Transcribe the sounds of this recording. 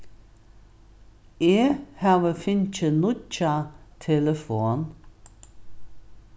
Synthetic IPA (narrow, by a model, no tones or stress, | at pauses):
eːhaːʋəfɪnt͡ʃənʊt͡ʃat̪ʰɛləfoːn